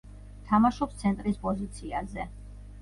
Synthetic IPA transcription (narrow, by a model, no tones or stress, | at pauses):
t̪ʰamaʃɔpst̪sʰɛnt̪ʼɾispʼɔzit̪sʰiazɛ